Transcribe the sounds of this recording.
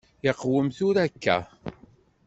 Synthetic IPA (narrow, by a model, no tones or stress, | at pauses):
jəqːwəmθʊɾækːæ̰